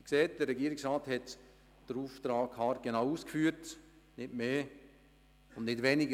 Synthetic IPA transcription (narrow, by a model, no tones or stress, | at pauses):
kseːt̚d̥ərːɛɡiːəɾɪksraːthɛt | d̥əɾuːftɾaːkʰhɑːɾɡ̥enaʊuːskfyːəɾt | nɪtmeː | ʊnnɪtvɛnɪɡə